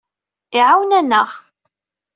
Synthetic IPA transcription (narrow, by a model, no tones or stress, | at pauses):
iʕawnænːəʁ